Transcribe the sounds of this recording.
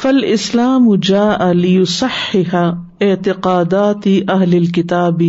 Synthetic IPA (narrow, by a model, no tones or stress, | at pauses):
fɐlʔɪslaːmʊd͡ʒaːʔalɪjʊsɑħːɪħa | ɪʕt̪ɪqaːd̪aːt̪ʔɐɦlɪlkɪt̪aːb